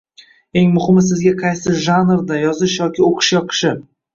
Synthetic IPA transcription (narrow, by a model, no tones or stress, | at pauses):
e̞ŋmʊhɪmɪsɪzɡʲaqʰɑjsɪʒanɾd̪ajɒzɪʃjɒkʲɪoqʰɨ̥ʃjɒqʰɨ̥ʃɪ